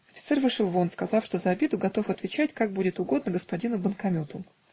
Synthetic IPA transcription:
ɐfʲɪt̪sɛrvɨʂɨlˠvo̞nskɐzɑfʂt̪o̞zəɐbʲed̪ʊɡɐt̪o̞fɐt̪vʲɪt͡ɕætʲkaɡ̚budʲɪt̪ʊɡo̞d̪nəɡəspɐdʲinʊbənkɐmʲot̪ʊm

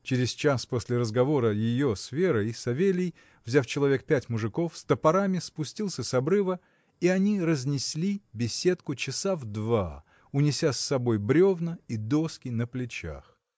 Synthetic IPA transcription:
t͡ɕɪɾʲɪst͡ɕasposʲlʲɪɾəzɡɐvo̞ɾəjɪjo̞sfʲe̞ɾəsɐvʲelʲɪj | vzʲaft͡ɕɪlˠɐvʲe̞k̚pʲætʲmʊʐɨko̞fst̪əpɐɾamʲɪspʊsʲtʲilˠsʲəsɐbɾɨvə | iɐnʲiɾəzʲnʲɪsʲlʲibʲɪsʲe̞t̪kʊt͡ɕɪsavd̪va | ʊnʲɪsʲasːɐbo̞jbɾʲo̞vnəid̪o̞skʲɪnəplʲɪt͡ɕa̰x

